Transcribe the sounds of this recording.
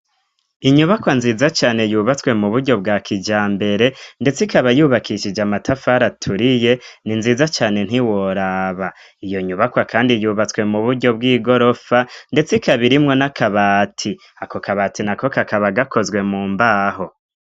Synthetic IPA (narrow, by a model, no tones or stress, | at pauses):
iɲuβakwanziːzat͡ʃaːne̞juːβat͡swe̞muβuɾɟo̞bɡaːkʰid͡ʒaːmbe̞ɾe̞nde̞t͡sikaβajuːβakʰiʃid͡ʒamatʰafaɾatʰuɾije̞ninziːzat͡ʃaːne̞n̥iwoɾaβa | ijo̞ɲuβakwakʰaːndijuːβat͡swe̞muβuɾɟo̞bɡiːɡo̞ɾo̞fande̞t͡sikaβiɾimŋo̞nakaβaːtʰi | ako̞kaβaːtinako̞kakaβaɡakʰo̞zɡwe̞muːmbaːɦo̞